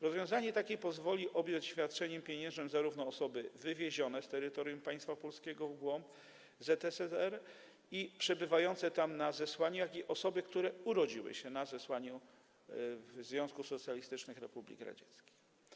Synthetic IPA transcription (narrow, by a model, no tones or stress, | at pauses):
ɾɔzvʲjɔ̃w̃zaɲɛt̪akʲɛpɔzvɔlʲiʔɔbʲjɔ̃t͡ɕɕfʲjat̪̚t͡ʂɛɲɛmpʲjeɲɛ̃ʐnɛmzaɾuvnɔːsɔbɘvɘvʲjeʑɔnɛst̪ɛɾɘt̪ɔɾʲjumpaj̃st̪fapɔlskʲɛɡɔvɡwɔmp | zɛt̪ɛsɛɛɾ | ipʂɛbɘvajɔnt̪sɛt̪amnazɛswaɲujakʲiʔɔsɔbɘkt̪uɾɛuɾɔd͡ʑiwɘ̰ɕɛnazɛswaɲu | vzvʲjɔ̃w̃skusɔt̪sʲjalʲist̪ɘt͡ʂnɘxɾɛpublʲḭkɾa̰d͡ʑɛt̪skʲi̥x